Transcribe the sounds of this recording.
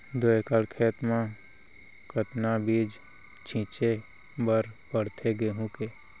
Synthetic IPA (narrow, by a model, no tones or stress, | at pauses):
d̪oekəlkʰeːt̪mã | kət̪nabiːd͡ʒ | t͡ʃʰĩt͡ʃe | bəɾpəɽt̪ʰeɡeːɦũke